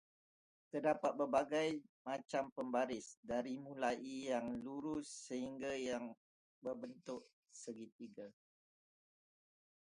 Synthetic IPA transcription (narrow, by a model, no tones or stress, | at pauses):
t̪ərdapat̪̚bərbaɡajmat͡ʃampəmbaɾɪsdaɾimũlaʔijaŋluɾʊsːəhiŋɡajaŋ | bərbənt̪ʊʔ | səɡit̪iɡa